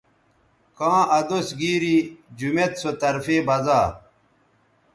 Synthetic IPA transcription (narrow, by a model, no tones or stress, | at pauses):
kãːʔɐd̪osɡiːɾid͡ʑumet̪sot̪ɐɾfeːbɐzaː